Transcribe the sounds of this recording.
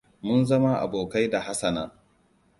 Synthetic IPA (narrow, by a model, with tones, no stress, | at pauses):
mʊ˦nzɐ˦ma˦ʔa̰˨boː˨ka˦jda˨ha˦sɐ˨nɐ˦ŋ